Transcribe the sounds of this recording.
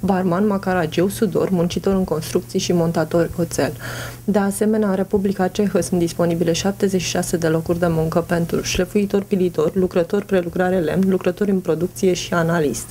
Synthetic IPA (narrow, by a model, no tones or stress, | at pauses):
barmanmakaɾad͡ʒewsud̪o̞̰rmunt͡ʃit̪o̞ɾɨŋko̞nst̪ɾuk̚t̪sijeʃimo̞nt̪at̪o̞rʲo̞t̪se̞ld̪e̞ase̞me̞neaɾe̞publikat͡ʃe̞xəsunt̪d̪ispo̞nibile̞ʃap̚t̪e̞zet͡ʃʃi̥ʃase̞d̪e̞lo̞kurʲd̪e̞muŋkəpe̞nt̪ɾuʃlefuit̪o̞rʲpilit̪orʲlukɾət̪o̞rʲpɾelukɾaɾe̞le̞̰mnlukɾət̪o̞ɾʲɨnpɾo̞d̪uk̚t̪sije̞ʃianalist̪